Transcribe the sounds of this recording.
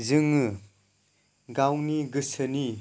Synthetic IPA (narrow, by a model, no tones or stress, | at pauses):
zɯŋɯ | ɡawniɡɯsɯni